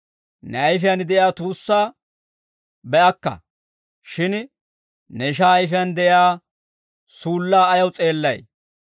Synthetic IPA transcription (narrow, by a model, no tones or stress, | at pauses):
nɛɐjfɪjand̪ɛjaːt̪uːsːaː | bɛʔɐkːɐ̰ | ʃɪn | nɛɪʃ̬aːjfɪjand̪ɛʔjaː | suːlːaːjɐwt͡sʼe̞ːlːɐj